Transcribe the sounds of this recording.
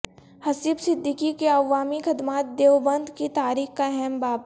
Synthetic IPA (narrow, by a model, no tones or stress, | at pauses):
hɐsibsɪd̪ʱːɪkikeɐʋːaːmikʰɐd̪maːt̪̚d̪eːʋbɐ̃nd̪kit̪aːɾiːxkaɛɦɛmbaːb